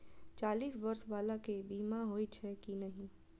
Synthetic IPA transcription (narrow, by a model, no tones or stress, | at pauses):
t͡ʃaːliːsbɐɾsʋaːlakebiːmaɦoːit͡ʃʰɛkinɐɦĩ